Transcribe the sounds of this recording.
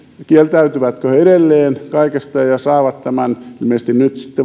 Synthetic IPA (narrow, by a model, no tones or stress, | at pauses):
kielt̪æyt̪yʋæt̪køeɾelːeːnkɑikest̪ɑjɑsɑːʋɑt̪t̪æmænilmeˑsest̪innyt̪si̥t̪ːe